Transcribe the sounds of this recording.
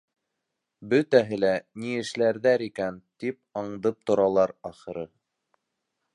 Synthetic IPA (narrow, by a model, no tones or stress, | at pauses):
bɵt̪æɦɘlæniɘ̆ʃlæɾðæɾikænt̪ip̚ɑɴd̪ɤp̚t̪ŏɾɑlˠɑɾɑχɤ̆ɾɤ